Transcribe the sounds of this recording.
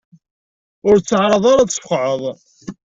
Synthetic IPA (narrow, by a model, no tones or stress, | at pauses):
ʊɾt͡sːəʕɾˤɑðˤaɾat͡sːfqʕəðˤ